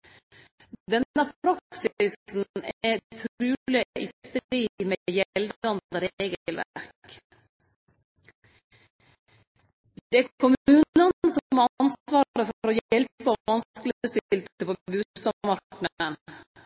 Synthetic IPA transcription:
d̪ɛnəpʰɾɑksɪsn̩ɛt̪ʰɾʉːlɪʔɪt̪əiːmejɛld̪ɑnd̪əɾeːɡəəlʋæ̰ɾk | d̪ɛæɾkʰɔmʉːnənsɔmɑɑɑnsʋɑːɾɾəfɔɾɔjjɛlpɔʋɑnskələst̪ɪɪlt̪əpɔbʉːst̪ɑmɑɳəɳ

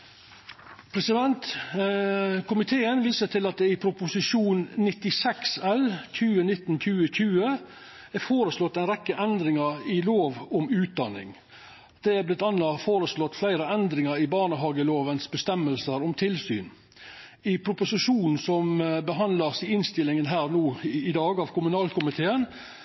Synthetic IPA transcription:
pʰɾɛsɪd̪ɛnt̪ | kʰʊmɪt̪ʰeːənʋiːsət̪ʰɪlɑt̪̚d̪ɛɪpʰɾʊpʊsɪʂuːnnɪt̪ɪsɛksɛlc͡çʰʉːənɪt̪ːn̩c͡çʉːəçʉːə | æɾfoːɾəslɔt̪ːɛɪnɾɛkːəʔɛnd̪ɾɪŋəɾɪloːʋɔmʉːt̪̚d̪ɑnːɪ̰ŋ | d̪̥ɛæblɪt̪ːɑnɑfoːɾəslɔt̪ːflæɪɾəɛnd̪ɾɪŋəɾɪbɑːɳəɦɑːɡəloːʋənsbəst̪ɛmːəlsəɾɔmt̪ʰɪlsy̰ːn | ɪpʰɾʊpʊsɪʂuːnn̩sɔmbəɦɑnləsɪɪnst̪ɪlːɪŋənɦæːɾnuːɪd̪ɑːɡɑːʋkʰʊmʉnɑːlkʰʊmɪt̪ʰeːən

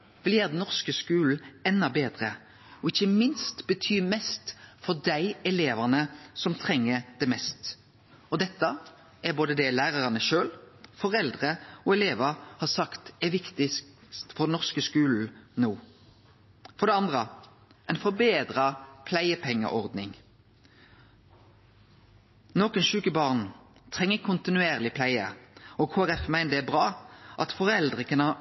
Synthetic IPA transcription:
ʋɪljæːʁd̪ɛn̩ɔʁskəskʉːl̩ɛnːɑbeːd̪ʁə | ɔɪçəmɪnst̪b̥ət̪ʰyːmɛst̪fɔʁd̪æɪɛleːʋɑʁnəsɔmt̪ʰʁɛŋːəd̪̥ɛmɛst̪ | ɔd̪ɛt̪ːə | ʔɛʁboːd̪əd̪ɛlæːʁɑʁɑnəʃøːl | fɔʁɛld̪ʁəɔːɛleːʋɑhɑːsɑkt̪ɛʋɪkt̪ɪst̪fɔʁd̪ɛnɔʁskəskʉːl̩noː | fɔɾd̪ɛɑnd̪ʁə | ʔɛɪnfɔʁbeːd̪ʁɑpʰlæɪəpʰɛŋːə̰ʔɔʁd̪nɪŋ | nɔːkənʃʉːkəbɑʁnt̪ʰʁɛŋːəkʰʊnt̪ɪnʉeːʁlɪpʰlæɪəɔkʰoːæʁɛfmæɪnəd̪ɛæbʁɑːʔɑ̰t̪fɔʁɛld̪ʁəkʰɑn

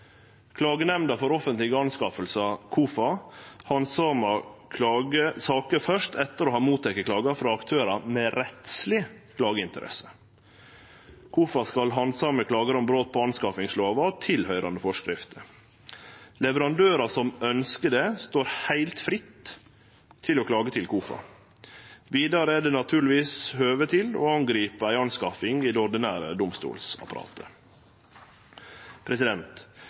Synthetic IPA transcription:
kʰlɑːɡənɛmnd̪ɑfɔɾɔfənt̪lɪɡəɑnskɑːfəlsɑkʰuːfɑhɑnsɑmɑkʰlɑːɡəsɑːkəfœʂt̪ʰɛt̪ːəɾoːhɑːmuːt̪ʰɛkːəkʰlɑːɡɑfɾɑɑkt̪ʰøːɾɑmɛɾɛt̪slɪkʰlɑːɡəɪnt̪əɾɛ̰sə̥ | kʰuːfɑskɑlɦɑnsɑːməkʰlɑːɡəɾɔmbɾoːt̪̚pʰɔɑnskɑːfɪŋsloːʋɑt̪ʰɪlhœʏɾʔɑnd̪əfɔʂkɾɪft̪əɾ | lɛʋəɾɑnd̪øːɾɑsɔmœnskəɖest̪oːɾhæɪlt̪fɾɪt̪ʰ | ɪlɔkʰlɑːɡət̪ʰɪlkʰuːfɑ̰ | ʋiːd̪ɑɾəæɖɛːnɑt̪ʰʉːɾɭɪʋiːshøːʋət̪ʰɪlo̰ːɑŋɡɾiːpəæɪɑnskɑfɪŋiːd̪ɔɾɖ̪ɪnæːɾə̰d̪ʊmst̪ṵːlsɑ̰pɑɾɑ̰ːt̪ʰə̰ | pʰɾɛsɪd̪ɛnt̪

